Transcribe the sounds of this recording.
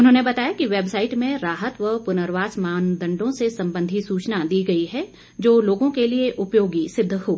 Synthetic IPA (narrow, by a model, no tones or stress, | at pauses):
ʊnɦõːnebɐt̪aːjakiʋeːbsaːɪʈmẽɾaːɦət̪ʋəpʊnəɾʋaːsmaːnd̪ə̃ɳɖõsesɐ̃mbə̃nd̪ʱisuːt͡ʃnad̪iːɡɐiɦɛ | d͡ʒoːloːɡõkelieʔʊpjoːɡisɪd̪ʱːɦoː